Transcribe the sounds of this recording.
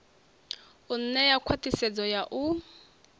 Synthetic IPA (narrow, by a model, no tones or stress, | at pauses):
un̩nɛjakʰwatisɛd͡zɔjaʔu